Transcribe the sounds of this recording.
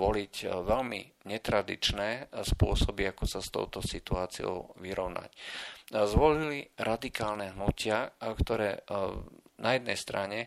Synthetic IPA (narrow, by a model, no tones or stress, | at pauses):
ʋɔlicʋɛlmiɲɛt̪ɾad̪ḭt͡ʃnɛːspʊɔsɔbiakɔsast̪ɔ̰ʊt̪ɔsit̪uaːt͡siɔ̰ʊʋiɾɔʊnʔa̰c | zʋɔliliɾʔad̪ikaːlnɛɦnucɪakt̪ɔɾɛː | najɛd̪nɛjst̪ɾaɲɛ